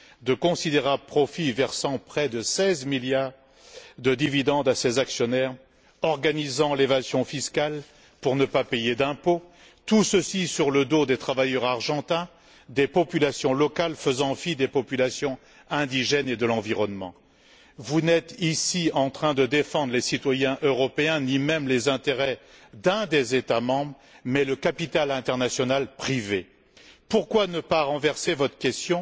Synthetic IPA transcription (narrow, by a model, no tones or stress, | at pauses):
d̪əkɔ̃sid̪eʁabəpχɔfivɛʁsɑ̃pχɛd̪əsɛzmiljaʁ | d̪əd̪ivid̪ɑ̃d̪asezaksjɔnɛʁ | ɔʁɡanizɑ̃levazjɔ̃fiskal | puʁnəpapejed̪ɛ̃po | t̪usəsisyʁləd̪od̪et̪χavajœʁaʁʒɑ̃t̪ɛ̃ | d̪epɔpylasjɔ̃lɔkalfəzɑ̃fid̪epɔpylasjɔ̃ | ɛ̃d̪iʒɛned̪əlɑ̃viʁɔnmɑ̰̃ | vunɛt̪isiɑ̃t̪χɛ̃d̪əd̪efɑ̃d̪ʁlesit̪wajɛ̃ʔøʁɔpeɛ̃nimɛmlezɛ̃t̪eʁɛd̪ɛ̃d̪ezet̪amɑ̃bʁ | mɛləkapit̪alɛ̃t̪ɛʁnasjɔnalpχive | puʁkwanəpaʁɑ̃vɛʁsevɔt̪χə̥kʲɛst̪jɔ̃